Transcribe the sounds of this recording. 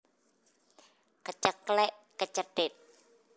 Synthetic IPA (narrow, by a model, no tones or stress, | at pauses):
kət͡ʃəklɛʔkət͡ʃəɖ̥ɛt̪̚